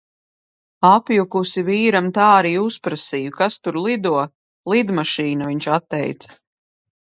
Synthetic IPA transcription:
apjukusiviːɾamt̪aːaɾiːuspɾasijukast̪uɾlˠid̪uɔ | lˠid̪maʃiːnaviɲt͡ʃat̪ːɛ̰jt̪sḁ

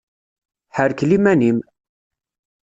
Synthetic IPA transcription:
ħəɾklimænim

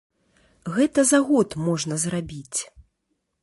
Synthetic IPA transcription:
ɣɛt̪ɐzaɣɔt̪mɔʐnɐzɾabʲit͡sʲ

